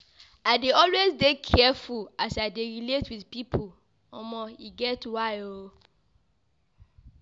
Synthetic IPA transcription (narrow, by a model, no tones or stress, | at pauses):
aɪdeɔlwezdekʰɛfulasaɪdeɹiletwiðpipʰol | ɔmɔjiɡɛtwaɪo